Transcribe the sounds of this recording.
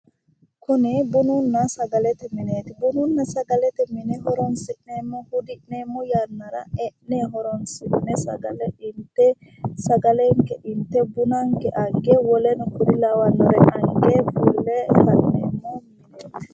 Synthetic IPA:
kʊnɪbʊnʊnːɐsɐɡɐlɛt̪ɛmɪneːt̪ɛbʊnʊnːɐsɐɡɐlɛt̪ɛmɪnɛɦɔɾɔnsɪʔneːmːɔhʊd̪ɪʔneːmːɔjanːɐɾɐ̰ɛʔneɦɔɾɔnsɪmɪnɛsɐ̰ɡɐlɛɪnt̪ːɛ | sɐɡɐlɛŋkːɛʔɪnt̪ːɛbʊnɐŋkːɛʔɐɡeːwɔlɛnɔkʊɾɪlɐwɐnːɔɾɛɐɡeːbulːɛfɐnːḛːmːɔmɪneːt̪ɛ̥

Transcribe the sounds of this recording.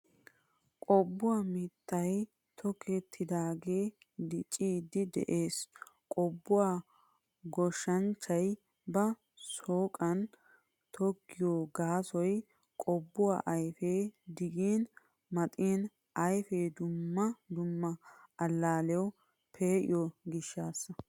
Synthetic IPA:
kʼɔbːʊwaːmɪt̪ːɐj | t̪ʰɔkʰet̪ʰːɪd̪aːɡe̞ː | d̪ɪt͡ʃʼːiːd̪ɪd̪ɛ̰ʔe̞ːs | kʼɔbːʊwaː | ɡɔʃɐnt͡ʃːɐj | bɐ | soːkʼɐn | t̪ʰɔkːɪjoːɡaːsɔj | kʼɔbːʊwa̰ːʔɐjfeːd̪ɪɡiːn | mɐt̪ʼiːn | ʔɐjfeːd̪ʊmːɐd̪ʊmːɐːlːaːlɛwɔ | pʰeːʔɪ̰jɔɡɪʃːaːsːɐ

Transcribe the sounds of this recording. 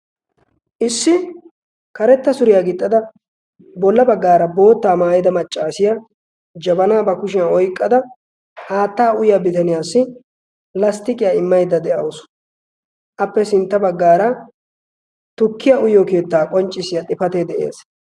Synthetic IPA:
ʔɪsːɪ | kɐɾɛt̪ːɐsʊɾɪjaɡɪt̪ʼːɐd̪ɐ | bɔlːɐbɐɡːaːɾɐbo̞ːt̪ːaːmaːjɪd̪ɐmɐt͡ʃʼːaːsɪja | d͡ʒɐbɐnaːbɐkʊʃɪjaɔjkʼːɐd̪ɐ | haːt̪ːaːʊjjaːbɪt̪ɐnɪjaːsːɪ | lɐst̪ɪkʼɪjaɪmːɐjd̪ɐd̪ɛʔɐwʊs | ʔɐpːɛsɪnt̪ːɐbɐɡːaːɾɐ | t̪ʊkːɪjaʔʊjoːke̞ːt̪ːaːkʼɔnt͡ʃʼːɪsɪjat̪ʼɪfɐt̪eːd̪ɛʔḛːs

